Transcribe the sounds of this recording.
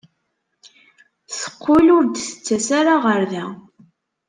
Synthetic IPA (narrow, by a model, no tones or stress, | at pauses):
θə̥qːʊlʊɾd̪θə̥t͡sːæsaɾaʁəɾðæ